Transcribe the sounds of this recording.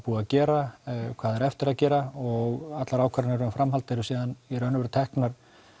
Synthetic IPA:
puːaðcɛːɾakʰvaːðɛɾɛft̪ɪɾaðcɛːɾaɔɣat̪laɾaːwkʰvaɾnɛɾʏmfɾamɦalt̪ɪɾʏsiːðaniɾœnʏvɾʏt̪ʰɛhknaɾ̥

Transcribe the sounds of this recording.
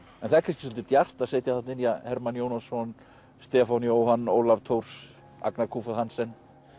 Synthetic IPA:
ɛ̰nθaɛɾkʰanscɪsɔlt̪ɪt̪jar̥t̪aðseːjt̪jaθat̪nɪnjahɛɾmanjownasɔn | st̪ɛːfawnjoːwhanːo̰ːwlavt̪ʰowɾ̥s | a̰knakʰuːfaðhansɛnː

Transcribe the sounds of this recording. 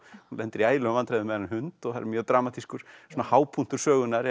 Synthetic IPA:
hunlɛnt̪ɪɾiaːjlʏavant̪ʰɾajðʏmɛanːɪnhʏnt̪ɔɣθaɾ̰ɾmjœːɣt̪ɾaːmat̪ʰiskʏɾ̥sɔːnahaːwpʰun̥t̪ʏɾ̥sœːɣʏnaɾ

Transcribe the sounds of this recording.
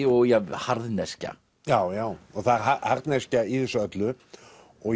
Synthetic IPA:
ɔɣjɛhaɾðnɛsca̰ | jaːwjaːwɔɣθaðɾɦahaɾt̪nɛscaiθɛsʏœt̪lʏ | ɔ

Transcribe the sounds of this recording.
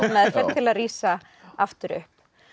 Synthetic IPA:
mɛðfɛ̥t̪ʰɪlaðriːsa | aft̪ʏɾʏ̰hp

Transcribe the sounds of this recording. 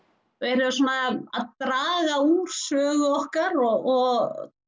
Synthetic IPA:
vɛjɾʏsɔːnaaðt̪ɾaːɣauːɾ̥sœːɣʏɔhkaɾɔɣɔɣ

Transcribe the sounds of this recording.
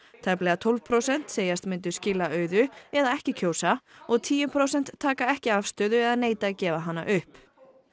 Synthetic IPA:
t̪ʰaplɛːɣat̪ʰolv̥pʰɾowsɛn̥t̪seːjast̪mɪnt̪̬ʏ̥scɪlaœːɥðʏɛðaɛhcɪcʰoːwsaɔɣt̪ʰiːjʏmpʰɾowsɛn̥t̪ʰːaːkaɛhcɪafst̪œːðʏɛðaneːjt̪acɛːvaɦanːa̰ʔʏhp

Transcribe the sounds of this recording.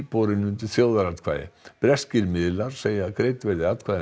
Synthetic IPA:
pɔɾɪnʏnt̪ɪθjoːwðaɾat̪kʰva̰ːðɪ̰pɾɛscɪɾmɪðɪlaɾ̥seːjakɾejt̪vɛɾðɪat̪̚kʰvaːð

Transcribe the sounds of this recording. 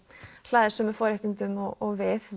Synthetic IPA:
l̥aːðɪsɛmɛfɔːɾɛft̪ɪnt̪ʏmɔɔɣvɪθ

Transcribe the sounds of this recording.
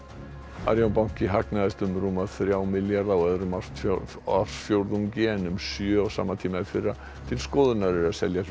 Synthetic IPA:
a̰ɾjawnpawŋ̥cɪɦaknaðɛst̪ʏmɾuːmaðθɾjaːwmɪljaɾðawɛðɾʏma | afsfjowɾðuŋcɪɛnʏmsjœaɣsa̰ːmːat̪ʰiːmaðɪfɪrːa | t̪ʰɪlskɔːðʏnaɾɪɾaðsɛ̰lja

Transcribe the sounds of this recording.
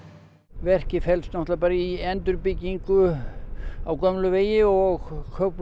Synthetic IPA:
vɛr̥cɪfɛlst̪nɔht̪lapaːɾaiɛnt̪ʏɾpɪcːiŋkʏ | awkœmlʏveːjɪɔɣkʰœp

